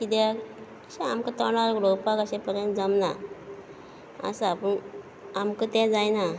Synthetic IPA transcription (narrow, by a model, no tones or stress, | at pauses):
kid̪ɛ | ɕɛamkat̪ɔɽaɾɡɽopakaɕẽpəɾjənt̪d͡zəmna | a̰saapəɳ | amkət̪ɛ̃d͡zajna